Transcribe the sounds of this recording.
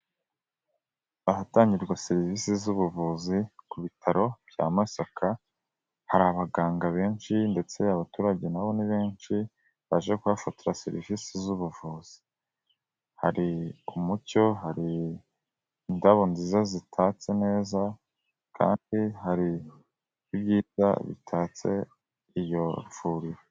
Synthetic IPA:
aɦataːɲɟiɾɡwaseɾivisizuβuvuzikuβitʰaɾo̞b̥ja̰ːmasakʰa | haɾaβaɡaːŋɡaβe̞ːnʃinde̞t͡se̞aβatuːɾaɟe̞naβo̞niβeːnʃi | βaʒekuβafatiɾasḛɾḭvisizuβuvuːz̥i̥ | ha̰ɾiumuco̞ɦaɾi | ndaβo̞nzizazitʰaːt͡se̞ne̞ːza | kʰa̰ːndiɦaɾi | ibɟiːza̰βḭtʰaːt͡se̞̰ | ijo̞v̥uːɾiɾo

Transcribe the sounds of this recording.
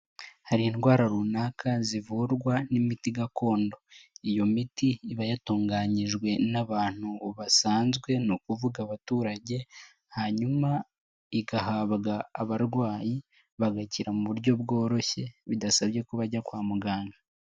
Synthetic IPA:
haɾiːnɡwaːɾaɾunakʰazivuɾɡwanimitiɡako̞ːndo̞ijo̞mitiːβajatuːŋɡaːɲiʒɡwe̞naβaːn̥huβasaːnzɡwe̞nukuvuɡaβatuːɾaɟe̞ | haɲuma | iɡaɦaβɡaːβaɾɡwaːji | βaɡaciɾamuβuɾɟo̞bɡo̞ːɾo̞çe̞βidasabje̞kuβaɟakwaːmuɡaːŋɡa

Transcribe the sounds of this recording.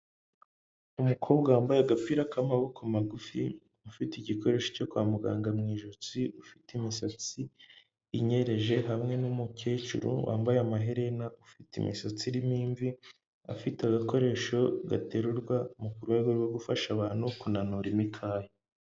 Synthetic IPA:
umukʰo̞ːbɡawaːmbajeaɡapiɾakamaβokamaɡufi | ufitiɟiko̞ɾe̞ːʃo̥co̞kwaːmuɡaːŋɡamŋiːʒut͡siʔufitimisat͡siː | ɲe̞ɾe̞ʒe̞ɦamŋe̞numukeːt͡ʃṵɾṵwʔa̰ːmbajeamaɦeɾe̞naʔufitḭmḭsat͡siɾimiːɱvi | a̰fitaɡako̞ɾe̞ːʃo̞ɡa̰te̞ɾuɾɡwamukuɾwe̞ːɡo̞ɾwoɡufaʃaβaːn̥hukunanuɾimikʰaːje

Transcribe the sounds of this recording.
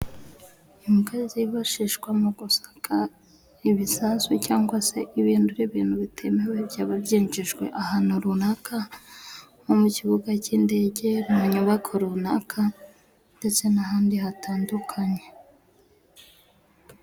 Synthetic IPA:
imukaziβaʃiʃɡwamoɡ̥usḁkʰa | iβisasucaːŋɡwase̞ʔiβiːnduɾiβiːnhuβitʰe̞mewebɟaːβaβɟeɲd͡ʒiʒɡwe̞̰ʔahanuɾunakʰa | homuciβuɡaciːnde̞ːɟe̞maɲuβakʰoɾunakʰa | nde̞t͡se̞naɦaːndihataːndukʰaɲe

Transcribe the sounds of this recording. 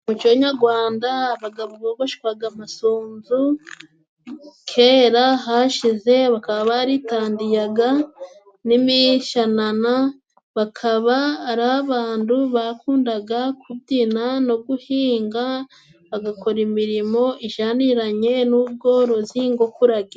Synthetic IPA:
mut͡ʃo̞ɲaɾɡwaːndaβaɡaβuβoɡoʃi̥kwaɡamasoːnzu | kʰe̞ɾaɦaʃize̞βakaβaβaaɾitaːndijaɡa | nimiʃanana | βakʰaβaːɾaaβaːnduβakuːndaɡakʰuβdinano̞ɡuhiːŋɡa | βaɡako̞ɾimiɾimo̞ʔiʒaniɾaɲe̞nuːβɡo̞ɾo̞ziŋɡokuɾaɡe

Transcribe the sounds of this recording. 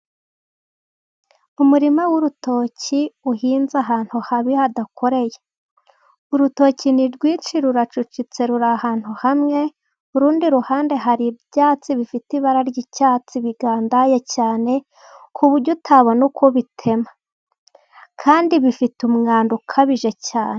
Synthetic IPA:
umuɾimawuɾuto̞ːciuɦiːnzaɦaːn̥huhaβihadakʰo̞ɾe̞je | uɾuto̞ːciniɾɡwiːt͡ʃiɾuɾat͡ʃut͡ʃit͡se̞ɾuɾahaːn̥huhamŋe̞ | uɾuːndiɾuhaːnde̞ɦaɾibjaːt͡siβifitiβaɾaɾɟicaːt͡siβiɡaːndajecaːne̞ | kʰuβuɾɟotʰaβonukʰoβitʰe̞ma | kʰaːndiβifitumŋaːndukʰaβiʒe̞caːne

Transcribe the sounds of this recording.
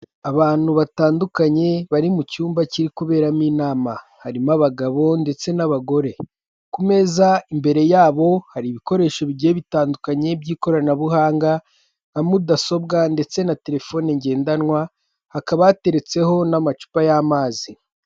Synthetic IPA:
aβaːn̥huβataːndukaɲe̞βaɾimucuːmbaciɾikuβe̞ːɾamiːnaːmahaɾimaβaɡaβo̞nde̞t͡se̞naβaɡo̞ɾe̞ | kume̞ːzaimbe̞ɾe̞jaːβo̞haɾiβiko̞ɾe̞ːʃo̞βiɟe̞βitaːndukaɲe̞bɟiːko̞ɾanaβuɦaːŋɡa | amudaso̞bɡande̞t͡se̞nate̞ɾe̞fo̞ːneɲɟe̞ːndanwa | hakaβaate̞ɾe̞t͡se̞ɦo̞namat͡ʃu̥pajaːmaːzi

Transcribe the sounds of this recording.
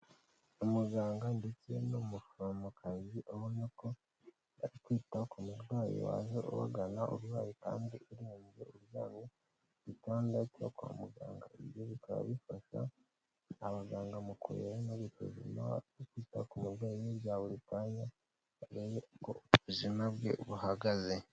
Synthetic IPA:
omuɡaːŋɡandet͡se̞nomufomukʰaziʔohoniko | aititakumuɾɡwaːjḛwa̰zeʔo̰wa̰ɡanaʔo̰ɾwaːjika̰ːndiʔiɾiːɲɟeoɾjaːni | βitoːndatokuha̰muɡa̰ːŋɡa̰iβjoβitaa̰βifaʃa̰ː | βaɡaːŋɡamukṵeɾenoβito̰zimaikiːtakumuɾɡwaːijeɾjaːβoɾitaɲa | aɾejekoβuzimabɡe̞̰βuhaɡaze

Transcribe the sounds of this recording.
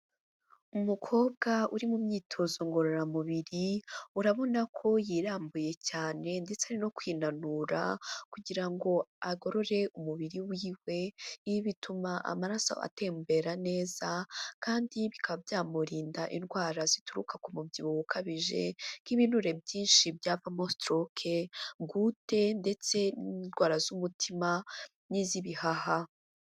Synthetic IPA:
umukʰo̞ːb̚ɡauɾimumɲiːtʰozoŋɡo̞ɾo̞ɾamuβiɾiuɾaβo̞nakʰo̞jiːɾaːmbuje̞caːne̞ndet͡saɾino̞kwiːnanuɾa̰kuɟiɾaŋɡo̞aɡo̞ɾo̞ɾe̞ʔumuβiɾiwiːwe̞iβitʰumaʔa̰maɾasa̰a̰te̞ːmbe̞ɾane̞ːz̥akaːndiβikʰaβabjaːmuɾiːndaʔinɡwaːɾazituɾṵkakumubɟiβuwukʰaβiʒe̞̰kiβinuɾe̞bjiːnʃibjavamostɾokʰeɡute̞nde̞t͡se̞nnɡwaːɾazumutʰima | niziβihaha

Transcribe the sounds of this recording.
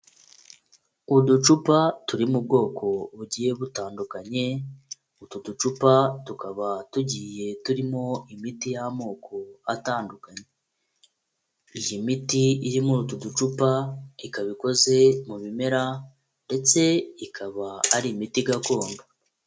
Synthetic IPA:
udut͡ʃupatuɾimub̚ɡo̞ːkʰo̞βuɟiːje̞βutaːndukaɲe̞ | ututut͡ʃupatukaβatuɟiːje̞tuɾimo̞imitijamo̞ːko̞ataːndukaɲe | ijimitiiɾimuɾututut͡ʃupaikaβiko̞ze̞muβime̞ɾa | nde̞t͡se̞ikʰaβaaɾimitiɡako̞ːndo

